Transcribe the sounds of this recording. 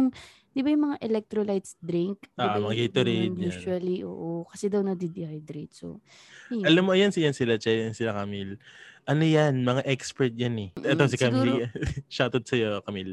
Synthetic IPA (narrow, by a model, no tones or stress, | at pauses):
ŋ | d̪ɪbɐjʊŋmɐŋaʔɛlɛk̚t̪ɾolajt̪sd̪ɾɪŋk̚dʔaʔmɐŋaɡejt̪oɾenjɲuʃuɐliʔo̰ːʔokɐsɛd̪ɐwnɐd̪id̪ɪhajd̪ɾɛjt̪̚so̰ | ʔɐlamːoʔɐjansɪjansɪlat͡ʃɛjjansɪlakamilʔɐnojanmɐŋaʔɛkspɛɹt̪̚janɛʔɛt̪osɪkamɾiʃaːt̪ot̪̚sɐjokɐmil